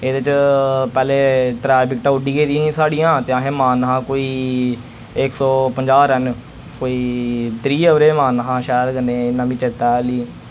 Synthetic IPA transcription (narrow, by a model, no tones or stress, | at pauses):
eːd̪et͡ʃpɛːleːt̪ɾɛːbɪkʈaːʊɖiːɡeːd̪iĩːsaːɽijãːt̪eːãːɦẽːmaːnɦãːkoːiː | ɪksɔːpəɲd͡ʒaːɾɛn | koːiːt̪ɾiːəʋɾeːmaːnɦãːʃɛːɾɡəneːɪnːãːbit͡ʃet̪ɛːliː